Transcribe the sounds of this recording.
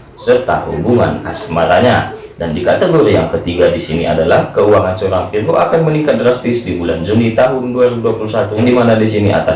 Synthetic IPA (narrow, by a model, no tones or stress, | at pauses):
sərt̪ahṵbuŋa̰na̰smaɾaɲa | dandikat̪əɡoɾijaŋkət̪iɡadisiniʔa̰dalahkəuaŋansoɾaŋiruʔakanmənikat̪̚dɾast̪ɪsdibuland͡ʒunit̪aɦʊnduaɾduapulusat̪udimanadisiniʔa̰t̪as